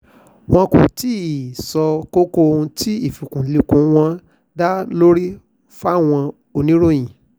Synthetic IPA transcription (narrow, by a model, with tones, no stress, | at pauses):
w̃ɔ̃˧kṵ̃˨ti˦i˨sɔ˧ko˦ko˦˧ũ˧ti˦i˦˨fu˨kũ˨li˨˧kũ˨˧w̃ɔ̃˧ | da˦lo˦ɾi˦ | fa˦˨w̃ɔ̃˧ | o˧nĩ˦ɾo˦˨j̃ĩ˨